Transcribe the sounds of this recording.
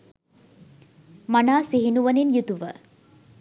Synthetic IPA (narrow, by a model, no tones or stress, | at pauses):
manaːsiɦinuʋɐninjut̪uʋə